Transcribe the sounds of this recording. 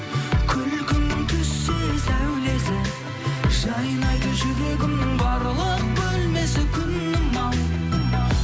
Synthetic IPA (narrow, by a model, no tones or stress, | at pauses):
kʲʰʏlkʲʏnt̪ʲʰʏsːesæwle̞sɪ | ʒɑjənɑjd̪əʒʏɾe̞ɡʲɪmnɪŋbɑɾəlˠəq̚bɵlme̞sɪkʲʰʏnːɪmɑw̪